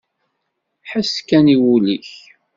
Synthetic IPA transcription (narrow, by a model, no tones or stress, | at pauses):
ħaskːæniwuliç